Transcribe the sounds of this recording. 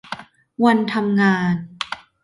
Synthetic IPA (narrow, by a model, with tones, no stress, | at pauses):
wa˧nt̪ʰa˧mŋaː˧n